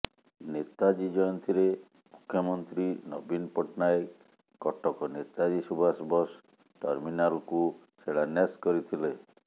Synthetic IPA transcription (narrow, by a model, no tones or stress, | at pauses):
net̪ad͡ʒid͡ʒɔjɔnt̪ʰiɾe | mukʰːjɔmɔnt̪ɾinɔbinpɔʈnaek | kːɔʈɔkɔnet̪ad͡ʒisubʱasbɔs | ʈɔɾminalku | seɽaneskɔɾit̪ʰile